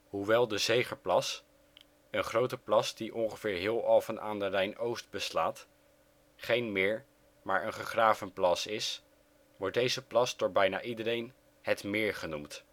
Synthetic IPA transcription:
ɦuʋɛlˠdəzejχəɹplɑs | ənχrowtəplɑsdiʔɔŋχəvɪːɹɦɪːlˠɑlˠvənʔa̰ːndərɛjnowsd̚bəslaːt | χejnmɪːɹ | maːɹənχəχraːvənplɑsɪs | ʋɔɹt̚dejzəplɑsdʊːɹbɛjna̰ːʔidəɾejn | hɛtmɪːɹχənumt

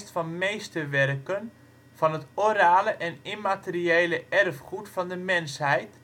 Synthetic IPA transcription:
stfɑnmejstəʋɛrkən | fɑnɦətoɾaːləʔɛnimatəriejləʔɛrfχutfɑndəmɛnshɛjt

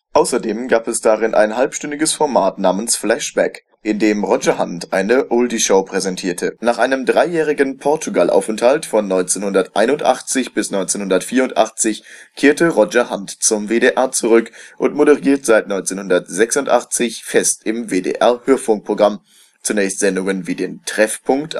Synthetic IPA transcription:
ʔaʊsɐdeːmɡaːpɛsd̥aʁɪnʔa̰ɪnhalpʃtʏndɪɡəsfɔɐmaːtnaːmənsflɛʃb̥ɛ̰k | ʔɪndeːmʁɔd͡ʒɐhantʔa̰ɪnəʔʊldiʃoʊpʁ̥ɛzɛntʰiːɐtʰənaːχʔaɪnəmdʁaɪjɛːʁɪɡən̩pʰɔɐtʰuɡalʔa̰ʊfɛnthaltfɔnːɔʏnt͡senhʊndɐtʔa̰ɪnʊntʔa̰χt͡sɪçb̥ɪsnɔʏnt͡seːnhʊndɐtfiːɐʊntʔa̰χt͡sɪçkʰeːɐtəʁɔd͡ʒɐhantt͡sʊmveːɾeːʔɛɐt͡suʁʏkʔʊntmoɾəʁiːɐtz̥aɪtnɔʏnt͡senhʊndɐtz̥ɛksʊntʔaχt͡sɪçfɛstɪmveːdḛːʔɛɐhøːɐfʊŋk̚pʁ̥oɡʁam | t͡sunɛːçstz̥ɛndʊŋənviːdeːntʁ̥ɛfpʰʊŋkt

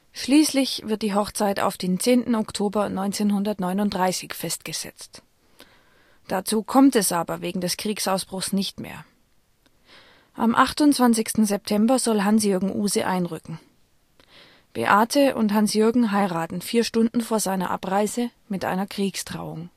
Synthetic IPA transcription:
ʃliːslɪçv̥ɪɐt̚d̥iːɦɔχt͡saɪta̰ʊfd̥eːnt͡seːntn̩ɔktʰoːbɐnɔʏnt͡seːnɦʊndɐtnɔʏnʊntd̥ʁaɪsɪçfɛst̚ɡ̥əz̥ɛ̰t͡st | d̥at͡suːkʰɔmtɛsʔaːbɐveːɡŋ̩dɛskʁ̥iːksaʊsb̥ʁʊxsnɪçtmḛːɐ | ʔa̰mʔaχtʊnt͡sv̥ant͡sɪçstn̩zɛp̚tʰɛmbɐzɔlɦansjʏɐɡŋ̩ʔuːzəʔa̰ɪnʁʏkŋ̩ | b̥ḛʔaːtʰəʔʊ̰nthansjʏɐɡŋ̩ɦaɪʁaːtn̩fiːɐʃtʊndn̩foːɐzaɪnɐ̰ʔa̰pʁaɪzəmɪtʔa̰ɪnɐkʁ̥iːkstʁ̥a̰ʊʊŋ

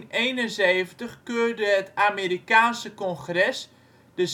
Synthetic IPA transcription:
neːnənzeːvəntəxkøːrdəɦətʰameːɾikaːnsəkɔnxrɛs | d̥əz

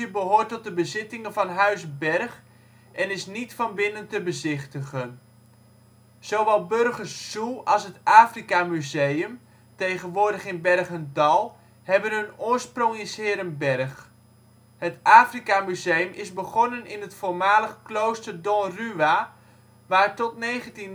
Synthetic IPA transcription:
əbəɦoːtːɔt̚dəbəzɪtɪŋənvɑnɦœɥzbɛrχ | ʔɛnɪsnitfɑnbɪnəntəbəzɪχtəχən | z̥owʋɛlˠbørχərsːuɑlˠsɦətaːfrikamyzejəm | tejχənʋʊːɹdəχɪnbɛrχəndɑlˠ | hɛbənɦɵnʊːɹsprɔŋɪshɪːɾənbɛrχ | hətaːfrikamyzejəmʔɪzbəχɔnənɪnɦətfoːɹmaːləχklowstərdɔnryʋa | ʋaːtɔtnejχəntin

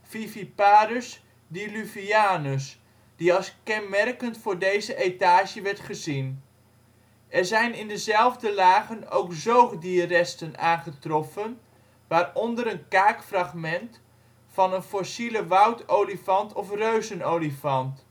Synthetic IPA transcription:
fifipaːɾəs | dilyviaːnəs | d̥iɑlˠskɛnmɛrkəntfʊːɹdejzəʔejtaːʃəʋɛɹtχəzin | ʔɛrzɛjnɪndəzɛlˠvdəlaːχəno̰wkzowχdiərɛstənaːnχətrɔfən | ʋaːrɔndəɾənkaːkfrɑχmɛnt | fɑnənfɔsiləʋʌwtowlifɑntʰɔfrøɥzənowlifɑnt

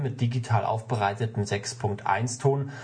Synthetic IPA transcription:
mɪt̚d̥iɡitʰaːlʔa̰ʊfb̥əʁaɪtətm̩zɛkspʰʊŋk̚tʔa̰ɪnstʰoːn

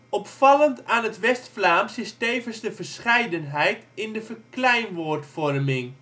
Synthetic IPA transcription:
ɔpfɑləntaːnɦətʋɛstflaːmsɪstejvənzdəvəɹsχɛjdənɦɛjtɪndəvərklɛjnʋoːɹtfɔrmɪŋ

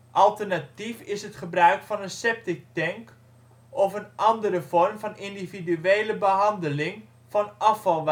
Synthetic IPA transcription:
ʔɑlˠtərnatifɪsətχəbrœɥkfɔnənsɛp̚tɪk̚tɛŋk | ʔɔfənʔɑndəɾəvɔrmfɑnɪndividyeːləbəɦɑndəlɪŋ | fɑnɑfɑlˠʋ

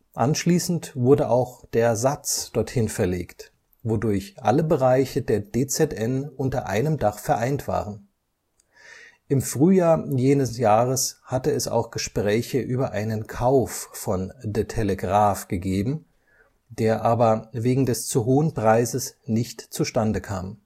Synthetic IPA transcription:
ʔanʃliːsn̩tv̥ʊɐdəʔaʊxd̥eːɐzat͡sd̥ɔɐthɪnfɛɐlḛːkt | vodʊɐçʔa̰ləbəʁaɪçədeːɐdeːt͡sɛtʔɛnʔʊntɐʔa̰ɪnəmdaχfɛɐʔaɪntv̥a̰ːʁən | ʔɪmfʁ̥yːjaːɐjeːnəsjaːʁ̞əshatəɛsa̰ʊxɡ̥əʃpʁ̥ɛːçəʔyːbɐʔaɪnənkʰaʊfːɔndetʰeləɡʁaːfɡ̥əɡeːbm̩ | d̥eːɐʔaːbɐveːɡŋ̩dɛst͡suɦoːənpʁ̥aɪzəsnɪçtt͡suʃtandəkʰa̰ːm

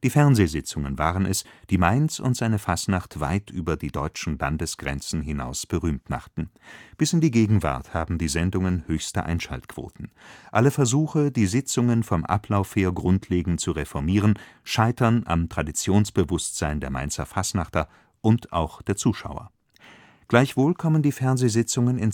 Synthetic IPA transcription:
d̥iːfɛɐnzeːzɪt͡sʊŋənvaːʁənɛsd̥iːmaɪnsʊ̰ntz̥aɪnəfasnaχtv̥a̰ɪtʔyːbɐdiːdɔʏt͡ʃn̩ba̰ndəsɡ̥ʁɛ̰nt͡sn̩ɦɪna̰ʊsb̥əʁyːmtma̰χtn̩b̥ɪsɪndiːɡeːɡŋ̩va̰ɐthaːbm̩diːzɛndʊŋənhøːçstə̰ʔa̰ɪnʃa̰ltkv̥o̰ːtn̩ʔaləfɛɐzuːxədiːzɪt͡sʊŋənfɔmʔa̰pʰlaʊfheːɐɡʁʊntʰleːɡŋ̩t̚t͡suʁefɔɐmiːʁ̞ənʃaɪtɐnʔa̰mtʁ̥adit͡sjoːnsb̥əvʊstz̥aɪndeːɐma̰ɪnt͡sɐfasnaχtɐ | ʔʊntʔa̰ʊxd̥eːɐt͡suːʃa̰ʊɐ̰ | ɡ̥laɪçv̥oːlkʰɔməndiːfɛɐnzeːzɪt͡sʊŋənɪn

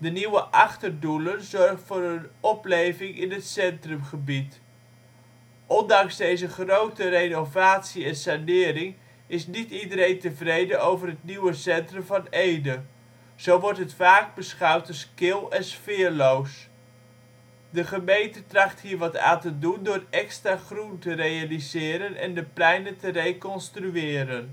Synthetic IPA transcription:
dəniwəʔɑχtərdulənzɔrχtfʊːɾənɔplejvɪŋɪnɦətsɛntrəmχəbit | ʔɔndɑŋzdejzəχrowtərejnowvaːtsiɛnsanɪːɾɪŋ | ɪsnitidəɾejntəvrejdənowvərɦət̚niwəsɛntrəmvɑnejdə | z̥owʋɔɹtɦətfaːɡ̚bəsχœwtɔskɪlˠɛnsfɪːɹlows | dəχəmejntətrɑχtɦiːɹʋɑta̰ːntədundʊːrɛkstraχruntərejalizɪːɾənʔɛ̰ndəplɛjnəntərejkɔnstryɪːɾən

